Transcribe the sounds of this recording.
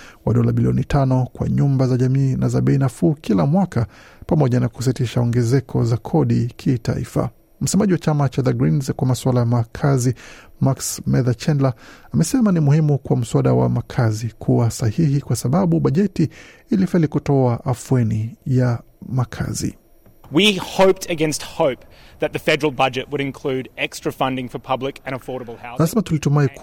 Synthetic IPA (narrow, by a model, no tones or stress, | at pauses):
waɗɔlaɓiliɔnitʰanɔkwa̰ɲumbazaʄamiːnazaɓɛinafuːkʰilamwaka | pamɔʄanakus̬itiʃaɔŋɡɛzɛkʰɔ̰zakʰɔɗikʰita̰ḭfa̰ | m̩sɛmaʄiwat͡ʃamat͡ʃaðaɡɾinzkwamaswalajamakʰazi | maksmɛðat͡ʃɛnlaamɛsɛmanimuhimukwam̩swaɗawa̰makʰazikʰuwasahihikwasaɓaɓuɓaʄɛtiːlifɛlikutɔaʔafwɛnija | makʰa̰zḭ | wihoʊp̚tʰɨɡɛ̃nst̚hoʊp̚ðɨt̪̚ðɨfɛɾə˞l̩ˠbʌd͡ʒɨʔ̚wəɾɨ̃nkʰl̥ʉɾɛkstɹ̥ɨfʌ̃ndɪ̃ŋfə˞pʰʌblɪkɨ̃ñəfɔɹɾəbl̩ˠhaʊanasɛmatulitumai